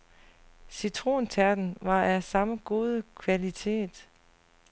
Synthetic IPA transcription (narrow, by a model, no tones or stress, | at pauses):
syt͡sʰʁo̝̰ːnt͡sʰæɐd̥n̩ʋɑ̈ʔæsɑ̈məɡ̥o̝ːð̞ˠəkʰʋælit͡sʰe̝̰ːd̥